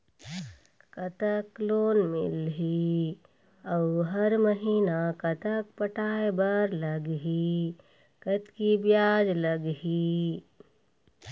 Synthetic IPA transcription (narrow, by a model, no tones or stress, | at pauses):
kət̪əkloːnmɪ̰lɦi | əwɦəɾməɦiːnakət̪ək̚pəʈaːebəɾləɡɦi | kət̪kibjaːd͡ʒləɡɦi